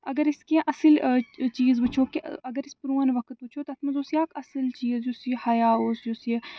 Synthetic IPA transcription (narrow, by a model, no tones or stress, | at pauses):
ɐɡəɾɪskiãːʔɐsəlt͡ʃiːzbɐt͡ʃʰoːkiɐɡəɾɪspʊɾuːənʋɐkt̪ʊt͡ʃʰoːt̪ɐɐt̪ʰmɐzoːsijaːkɐsəlt͡ʃiːzd͡ʒusjehɐjaːoːsd͡ʒusje